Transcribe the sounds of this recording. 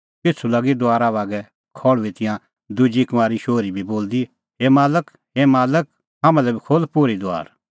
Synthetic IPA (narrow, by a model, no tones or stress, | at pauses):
kɪt͡sʰulaːɡid̪ʊaːɾaːʋaːɡɛ | kʰɔːɭʋit̪ɪ̃jã | d̪ʊd͡ʒikɐʋaːɾiʃoːɾibʱiboːld̪i | ɦemaːlək | ɦemaːlək̚ | ɦãmãlɛbikʰolpoːɾid̪ʊa̰ːɾ